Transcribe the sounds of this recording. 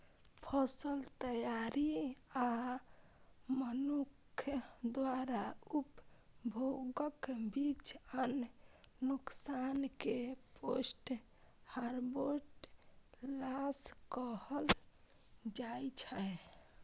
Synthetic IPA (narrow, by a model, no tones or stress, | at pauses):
pʰəsəlt̪əjaɾia | mənukʰjd̪waɾaupbʱoɡəkbit͡ʃənː | uksankeposʈ | haɾboʈ | laskəhəl | d͡ʒajt͡ʃʰə